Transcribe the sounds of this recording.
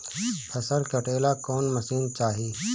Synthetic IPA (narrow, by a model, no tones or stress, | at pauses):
pʰɐsəɾkəʈeːlakɔːnməsiːnt͡ʃaːɦiː